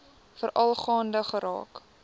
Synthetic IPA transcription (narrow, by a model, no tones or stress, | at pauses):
fəɾʔɐlˠχɑːndəχəɾɑ̰ːk